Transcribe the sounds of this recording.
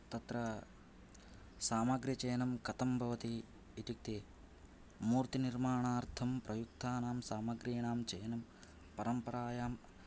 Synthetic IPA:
t̪ɐt̪ɾɐ | saːmɐɡɾjɐt͡ʃeːnɐmkɐt̪ɐmbʱɐʋɐt̪iː | t̪uk̚t̪eː | muːɾt̪iniɾmaːɳaːɾt̪ʰɐmpɾɐjuk̚t̪ʰaːnaːmsaːmɐɡɾiːnaːmt͡ʃeːnɐm | pɐɾɐmpɐɾaːjaːm

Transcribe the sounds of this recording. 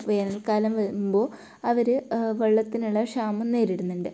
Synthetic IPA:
ʋeːnɐlkaːlɐmʋɐɻumbo̞ː | ɐʋɐɾɨʋɐɭːɐt̪ːinuɭːɐʂaːmɐnːeːɾiɽunːuɳɖɨ

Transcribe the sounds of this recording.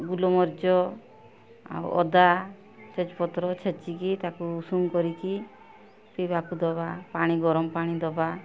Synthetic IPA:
ɡulɔmɔɾd͡ʒɔ | a̰wɔ̰d̪a | sʰet͡ʃpɔt̪ɾɔt͡ʃʰet͡ʃikit̪akuːsuŋkɔɾit͡ʃi | pibakud̪ɔbapaɽ̃iɡɔɾɔmpaɽ̃id̪ɔba

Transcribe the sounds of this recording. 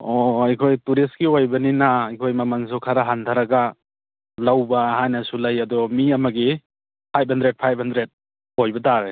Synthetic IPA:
ɔajkʰojtuɾiskiojbɐninaajkʰojmamaŋs̬ukʰaɾaɦandʰʱaɾaɡa | lawbaːɦajnasulajɐdɔmiɐmɐɡi | pʰajp̚ʰhandɾed̚pʰajp̚ʰhandɾet̚ | ojbɐdaɾe

